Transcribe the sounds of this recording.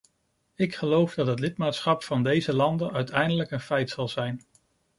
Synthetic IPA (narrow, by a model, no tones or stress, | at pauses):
ɪkχəlowvdɑtɦət̬lɪtmaːtsχɑpfɑndejzəlɑndənœɥtɛjndələkənfɛjtsɑlˠzɛjn